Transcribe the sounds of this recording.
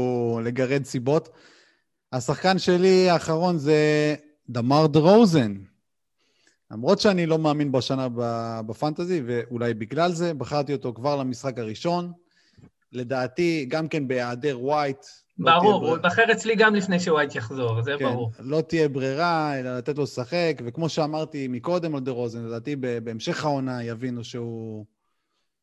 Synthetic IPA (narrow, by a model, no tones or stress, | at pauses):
le̞ɡaʁe̞d̪sibo̞t̪ | hasaχkanʃe̞liaːχaʁo̞nze̞ | d̪amaʁd̪ʁowzen | lamʁo̞t̪ʃeanilo̞maːminbaʃanababafant̪azive̞ʔulajbiɡlalze̞baχaʁt̪io̞t̪o̞kvaʁlamisχakaʁiʃo̞n | le̞d̪aːt̪iɡamke̞nbe̞jaːd̪eʁwajt̪ | baʁuʁbaχeʁet͡sliɡamlifnejʃewajt̪jaχzo̞ʁzekbanʁuʁlo̞t̪ije̞bʁiʁae̞lalat̪et̪̬lo̞saχe̞kve̞kmo̞ʃeamaʁt̪imiko̞d̪e̞mald̪eʁo̞zenled̪aːt̪ibebeːmʃe̞χao̞najavinuʃeu